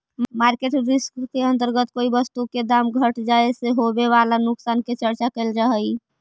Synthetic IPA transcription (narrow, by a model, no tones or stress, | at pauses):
maɾkeʈɾiskkeənt̪əɾɡət̪koibəst̪uked̪amɡʱəʈd͡ʒaeseɦobeʋalanuksanket͡ʃəɾt͡ʃakəɪld͡ʒaɦəj